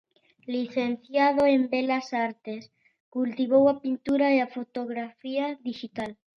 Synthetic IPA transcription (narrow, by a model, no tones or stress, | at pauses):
liθenθjaðoembelasaɾt̪es | kult̪iβowapint̪uɾaeafot̪oɣɾafiaðiʃit̪al